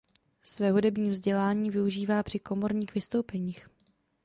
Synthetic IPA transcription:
svɛːɦudɛbɲiːvzɟɛlaːɲiːvɪuʒiːvaːpr̝̥ɪko̞mo̞ɾɲiːxvɪst̪owpɛɲiːx

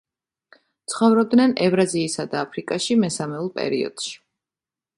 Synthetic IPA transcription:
t̪sʰχɔvɾɔb̚d̪nɛnɛvɾaziːsad̪aːpʰɾikʼaʃimɛsamɛulˠpʼɛ̰ɾiɔ̰d̪̥ʃi̥

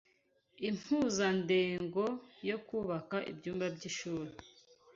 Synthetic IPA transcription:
im̥huzandeːŋɡo̞jo̞kuːβakaʔḭbɟuːmbabɟiʃuːɾe

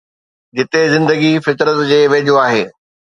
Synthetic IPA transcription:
d͡ʑɪt̪ezɪ̃nd̪əɡifɪt̪ɾət̪d͡ʑeːʋeːʄoaːɦeː

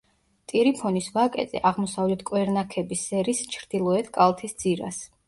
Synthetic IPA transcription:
t̪ʼiɾipʰɔnisvakʼɛ̰t̪ʼɛ̰ʔaʁmɔsavlɛt̪ʰkʼwɛɾnakʰɛbisɛɾist͡ʃʰɾd̪̥ilˠɔɛt̪ʰkʼalˠt̪ʰisd̪z̥iɾa̰s

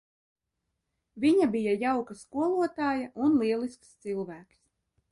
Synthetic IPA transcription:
viɲabijajawkaskuɔlˠuɔt̪aːjaʔunlˠiɛlˠiskst̪silˠvæːks

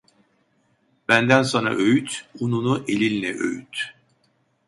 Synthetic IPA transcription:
b̥ænd̪ænsona̰ʔø̞jyt̪ununuʔelʲilnɛʔø̰jyt̪

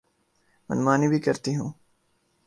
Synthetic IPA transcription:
mɐ̰nmaːnibʱikɐɾt̪iɦũː

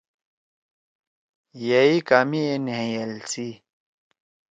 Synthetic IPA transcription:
jaikaːmienẽjɐlsi

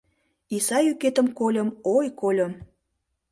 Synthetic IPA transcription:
isɑjyket̪əmkolʲə̆mojkolʲə̆m

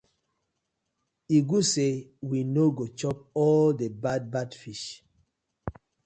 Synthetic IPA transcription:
iɡusewinoɡot͡ʃɔp̚ɔldebad̚badfiʃ

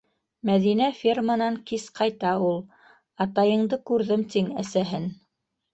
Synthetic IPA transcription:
mæðinæfʲirmənɑŋkisqʰɑjt̪ɑulˠ | ɑt̪ɑjɤ̆ɴd̪ɤkʉɾðɘmt̪iŋæsæɦɘn

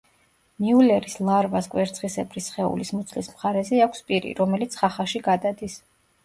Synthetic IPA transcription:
miulɛɾislˠaɾvaskʼwɛɾt̪sʰʼχisɛbʰɾisχɛṵlismut̪sʰlismχaɾɛzɛakʷʰspʼiɾḭɾɔmɛlit̪sʰχaχaʃiɡad̪ad̪is

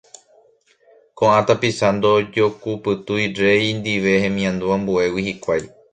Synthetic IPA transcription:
kõʔãt̪apisand̪od͡ʒo̞kupɨt̪ujɾe̞jnd̪iʋe̞hẽ̞mĩãnd̪uãmbue̞wihikʷaj

